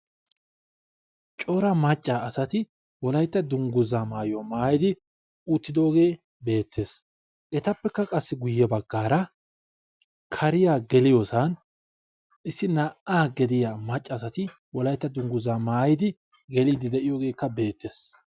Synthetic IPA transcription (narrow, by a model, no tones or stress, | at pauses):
t͡ʃʼoːɾɐmɐt͡ʃʼːaːɐsɐt̪ɪ | wɔlɐjt̪ːɐd̪ʊŋɡʊzaːmaːjʊamaːjɪd̪ɪ | uːt̪ːɪd̪o̞ːɡe̞ː | be̞ːt̪ʰːe̞ːs | ʔɛt̪ɐpːɛkːɐkʼɐsːɪɡʊjːɛbɐɡːaːɾɐ | kʰɐɾɪjaːɡɛlɪjoːsɐn | ʔɪsːɪnaʔaːɡɛd̪ɪjaːmɐt͡ʃʼːɐːsɐt̪ɪ | wɔlɐjt̪ːɐd̪ʊŋɡʊzaːmaːjɪd̪ɪ | ɡɛliːd̪ɪd̪ɛʔɪjo̞ːɡe̞ːkːɐbe̞ːt̪ːe̞ːs